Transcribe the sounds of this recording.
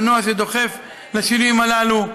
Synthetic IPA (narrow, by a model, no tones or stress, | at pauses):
noaʃed̪o̞χe̞f | laʃinuimalalu